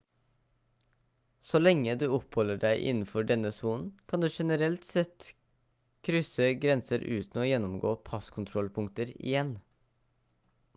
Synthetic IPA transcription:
solɛŋːəd̪ʉːɔpʰhɔləɖæɪʔɪ̰nn̩fɔɖɛnəsuːnn̩kʰɑnd̪ʉːʂɛnəɾɛlt̪sɛt̪ | kʰɾʏsəɡɾɛnsəɾʔʉ̰ːt̪n̩oːjɛnːɔmɡoːpʰɑskʰʊnt̪ʰɾɔlpʰʊŋkt̪əɾɪ̰jɛn

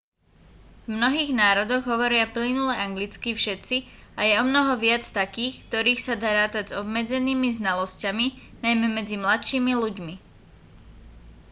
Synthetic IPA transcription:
vmnɔɦiːɣnaːɾɔd̪ɔɣɦɔʋɔɾɪaplinulɛʔaŋɡlit͡skifʃɛt̪t͡siajɛɔmnɔɦɔʋɪat͡st̪akiːxkt̪ɔɾiːxsad̪aɾaːt̪aɟzɔbmɛd͡zɛniːmiznalɔscaminajmɛmɛd͡zimlat̪ʃiːmiluɟmi

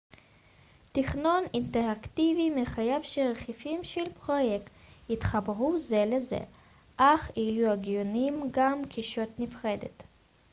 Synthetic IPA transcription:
tiχno̞ninteʁaktivimeχajavʃeʁeχifimʃelpʁojekt̪jitχabʁuzelezḛ | ʔaχijuaɡjonimɡamkʰiʃo̞tnifχe̞d̪ḛt

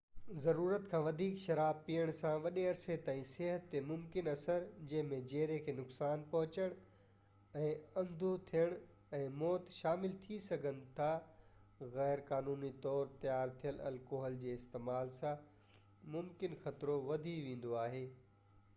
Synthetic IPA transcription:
zɐɾuːɾət̪kʰãːʋɐd̪ʱiːkʃɐɾaːbpijəɽ̃sãʋɐɗeɐɾset̪aːĩseɦət̪ːemʊmkɪnɐsəɾd͡ʑɐ̃ɦɪ̃mẽd͡ʑeːɾekʰeːnʊksaːnpɐɦʊt͡ɕəɽ̃ | ɛ̃ːɐ̃nd̪ʱot̪ʰijəɽ̃ | ɛ̃ːmɔːt̪ʃaːmɪlt̪ʰisɐɡʱənɪ̆t̪ʰa | ɣɛːɾkaːnuːnit̪ɔːɾt̪ɐjaːɾt̪ʰijəlɐ̰lkoːɦəld͡ʑeːɪst̪eːmaːlsã | mʊmkɪnxɐt̪ɾoʋɐd̪ʱiʋẽːn̆d̪oaːɦeː

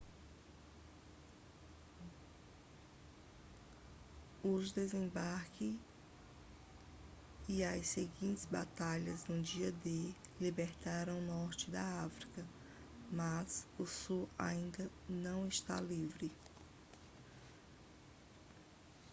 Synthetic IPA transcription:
ʊʒd̪ezẽbaɾkɪ | iɐsseɡĩnt̪ɪzba̰t̪aʎɐznʊd͡ʒiɐd̪elibeɾt̪aɾɐ̃w̃nɔɾt͡ʃɪd̪ɐafɾikɐ | mɐzʊsua̰ĩnd̪ɐ | nɐ̃w̃ɪst̪a̰livɾɪ

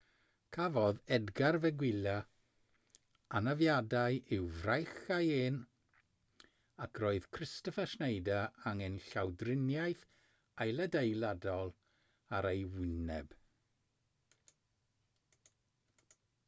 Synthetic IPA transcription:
kʰavɔðɛdɡarvɛɡwɪla | anavjadaɨʔɪwvrajχajeːn | akʰroːɨðkʰrɪstɔfaʃnejdaaŋɛnɬawdrɪnjajθ | ajlˠədejlˠadɔlˠ | aɾejwɪnɛb̥

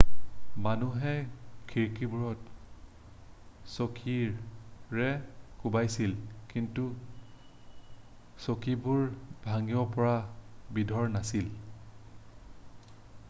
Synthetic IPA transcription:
manuɦɛkʰiɹkibuɹɔt̚ | sokʰiɹɹɛkubajsilkintu | sokibuɹbʱaŋiɔpɔɹabidʱɔɹnasil

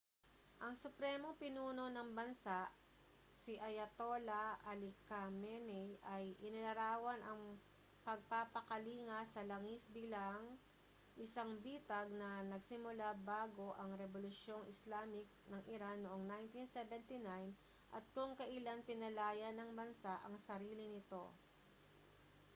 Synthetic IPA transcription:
ʔɐŋsʊpɾɛmoŋpɪnuːno̞nɐŋbɐnsaʔ | sɪʔɐjɐt̪o̞lɐʔɐlɪkamɛnɛjɐjʔɪnɪlɐɾaːwɐnʔɐŋ | pɐɡ̚papɐkɐliːŋɐsɐlɐŋisbiːlɐŋ | ʔɪsaŋbiːt̪ɐɡ̚nɐnɐɡsɪmʊlabaːɡo̞ʔɐŋɾɛbolʊsjo̞ŋɪslaːmɪk̚nɐŋʔɪɾanoʔoŋnajnt̪insɛvɛnt̪ɪnajn | ʔɐ̰t̪̚kʊŋkɐʔɪlanpɪnɐlaːjɐnɐŋbɐnsaʔɐŋsɐɾiːlɪnɪt̪o̞

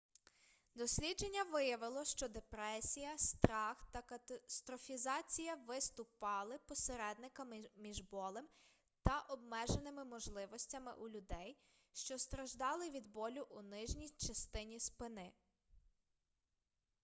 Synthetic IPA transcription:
d̪ɔsʲlʲidd͡ʒe̞nʲːɐʋɪjɐʋɪlˠɔʃt͡ʃɔd̪epɾɛsʲijɐst̪ɾɑxt̪ɐkst̪ɾɔfʲizɑt͡sʲijɐʋɪst̪ʊpɑlˠɪpɔseɾɛd̪̚nɪkɐmmʲiʒbɔlˠɪm | t̪ɐʔɔbmɛʒenɪmɪmɔʒlˠɪʋɔsʲtʲɐmɪ̰ʔulʲʊd̪ɛj | ʃt͡ʃɔst̪ɾɐʒd̪ɑlˠɪʋʲid̪bɔlʲʊʔunɪʒnʲijt͡ʃɐst̪ɪnʲispɪnɪ

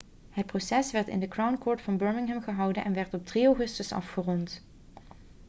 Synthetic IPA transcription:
ɦət̚prosɛsʋɛɹtɪ̰ndəkrawnkɔːɹtfɑnbøːɹmɪŋɦɛmχəɦʌwdənʔɛnʋɛɹtɔp̚drioχɵstəsɑ̰fχərɔnt

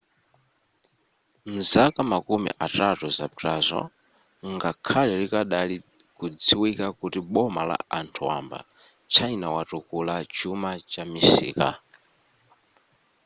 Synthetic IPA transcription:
n̩zakamakumḭʔatatuzapiɾazɔ̰ | ŋɡakʰalɛɾikaɗali | kud͡ziwikakutiɓɔmala̰antʰuwa̰mba̰ | t͡ʃʰainawatukulat͡ʃumat͡ʃamisḭːka̰

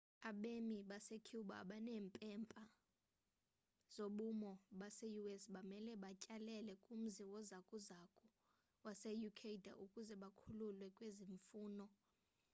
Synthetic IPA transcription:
aɓemiɓasekʰuɓaːɓanɛːmpʼɛmpʼa | z̥oɓumɔɓasejuɛsɓamɛlɛɓacʼalɛlɛkʼum̩ziwɔzakʼuzakʼu | wasejukʰeida̰ʔukʼuzɛɓakʰululwɛkʼweziɱfuːnɔ

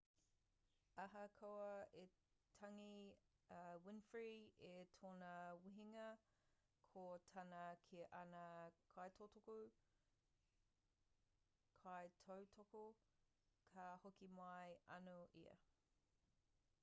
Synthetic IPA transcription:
ɐɦɐkʰowɐe | tʰɐŋi | wɪnfɹietʰoːnɐwiɦiŋɐ | kʰotʰɐnɐkʰiʔɐnɐkʰɑjtʰotʰoku | kʰɑjtʰɐwtʰoko | kʰɐhokimɐjɐ̰noʔḭɐ̰

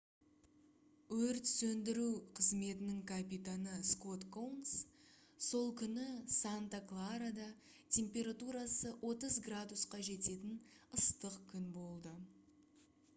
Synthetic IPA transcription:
wɵɾt̪sɵnd̪ɪɾuwqʰəzme̞t̪ɪnɪŋkʰapit̪anəsko̞t̪kowns | so̞lˠkʲʰʏnɪsant̪aklˠaɾad̪ɑ | t̪ʲʰe̞mpʲe̞ɾat̪uɾɑsəwʔo̞t̪əzɡrad̪usqɑʒe̞t̪e̞t̪ɪnəst̪əqkʲʰʏnbo̞lˠd̪ə

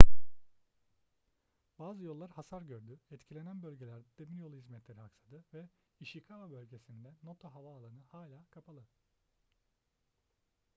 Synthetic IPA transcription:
baːzɯjo̞lˠːaɾhasaɾɟøɾd̪yɛt̪cʰilʲe̞nænbølʲɟelʲæɾd̪ɛd̪̥emilʲjolˠuhizmɛt̪lʲe̞ɾiɦaksad̪ɯvɛ | iʃjikʰaabø̞lʲɟe̞sind̪ɛnot̪ʰaɦavaːlˠanɯhaːlʲaːkʰapʰalˠɯ

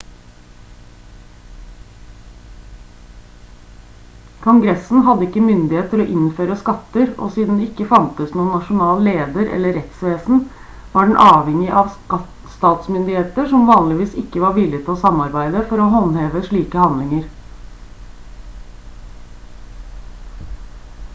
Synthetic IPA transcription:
kʰʊŋɡɾɛsn̩ɦɑd̪əɪkːəmʏnd̪ɪheːt̪t̪ʰɪloːʔɪnføːɾəskɑt̪əɾo̰ːsiːd̪n̩ɛɪkːəfɑnt̪əsnuːənːɑʂʊnɑːlleːd̪əɾʔɛ̰lːəɾɛt̪sʋeːsn̩ | ʋɑːɖɛɳn̩ʔɑːʋhɛŋɪʔɑʋ | st̪ɑːt̪smʏnd̪ɪheːt̪əʂɔmʋɑːnlɪʋiːsɪkːəʋɑːɾʋɪlɪt̪ʰɪloːsɑmːɑɾbæɪd̪əfɔɾoːɦɑnheːʋəʂɭiːkəhɑnd̪lɪŋəɾ

